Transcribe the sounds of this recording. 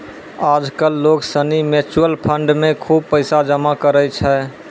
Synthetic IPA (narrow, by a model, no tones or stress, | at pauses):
ad͡ʒkəlːoksənimet͡ʃuəlpʰəɳɖmekʰub̚pəɪsad͡ʒəmakəɾət͡ʃʰɛ